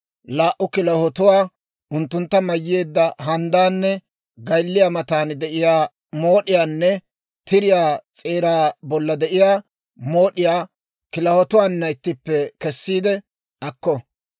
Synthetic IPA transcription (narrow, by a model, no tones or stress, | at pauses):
laːʔʊkɪlɐhɔt̪ʊwaː | ʊnt̪ːʊnt̪ːɐmɐjːeːd̪ːɐɦɐnd̪aːnːɛ | ɡɐjlːɪjamɐt̪aːnd̪ɛʔɪjaː | mo̞ːɗɪjaːnːɛ | t̪ɪɾɪjaːt͡sʼe̞ːɾaːbɔlːɐd̪ɛʔɪjaː | mo̞ːɗɪjaː | kɪlɐhɔt̪ʊwaːnːɐɪt̪ːɪpːɛkɛsːiːd̪ɛ | ɐkːɔ